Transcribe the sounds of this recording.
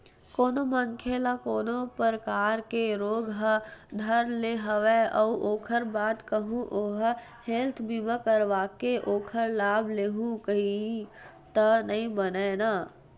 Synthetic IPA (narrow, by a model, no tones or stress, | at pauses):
koːnoməŋkʰelakoːnopəɾəkaːɾkeɾoːɡɦəd̪ʱəɾleɦəʋeɔʔoːkʰəɾbaːt̪kəɦũʔoːɦ | helt̪ʰbimə̃kəɾʋaːkeʔoːkʰəɾlaːbleːɦũkəɦi | t̪ənɐɦĩbənena